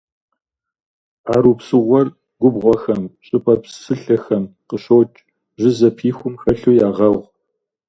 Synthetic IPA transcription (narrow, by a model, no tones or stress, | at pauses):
aːɾuːpsɨʁʷɔr | ɡ̥ʷʊbʁʷɔxɐmɕʼɪpʼɐpsɨɬɐxɐmqəɕoːt͡ʃʼ | ʒɪzɐpʰiːxʷʊmxɐɬuːjaːʁɐʁʷ